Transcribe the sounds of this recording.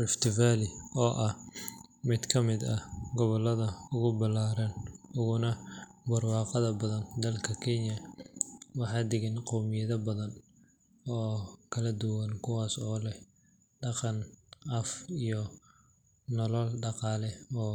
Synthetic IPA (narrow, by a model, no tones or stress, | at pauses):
lft̪ʰɪfaːlɪɔːʔɐhmɪd̪kʰɐmɪd̪ɐɡɔβɔlːɐðɐʊɣʊbɐlaːɾɐnʊɣʊnɐbɐrwɑːqɑðɐbɐðɐnd̪ɐlkʰɐkʰɪnjɐ | wɑħɑːd̪ɪɣɪnqɔmɪjɐðɐbɐðɐn | ɔːkʰɐlɐd̪ʊwɐnkʰʊwɑːsɔːlɛh | ɖɑqɑnʔɐfijɔ | nɔlɔlɖɑqɑːlɛɔː